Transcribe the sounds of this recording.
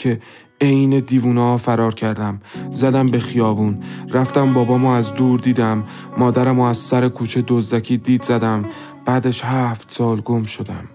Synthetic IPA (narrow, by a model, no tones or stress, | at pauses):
cʰe̞ | ejne̞d̪iːvuːnɒfæɾɒːɾcʰæɾd̪æmzæd̪æmbe̞xijɒːvuːnɾæft̪æmbɒːbɒːmoæzd̪uːɾd̪iːd̪æmː | ɒːd̪æɾæmoæz̥sæɾekʰuːt͡ʃʰed̪ozækʰiːd̪iːd̪zæd̪æm | b̥æːd̪eʃhæft̪sɒːlɡo̞mʃo̞d̪æm